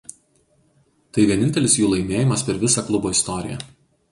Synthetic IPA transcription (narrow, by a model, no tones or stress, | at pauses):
t̪ɐɪʋʲiɛnʲɪnʲt̪ʲɛlʲɪsjuːlˠɐɪmʲeːjɪmɐspʲɛɾʋʲɪsɑklˠʊboːɪst̪ɔɾʲɪjɛ̰